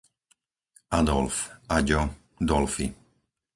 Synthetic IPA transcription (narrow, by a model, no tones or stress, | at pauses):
ad̪ɔlfaɟɔ | d̪ɔlfi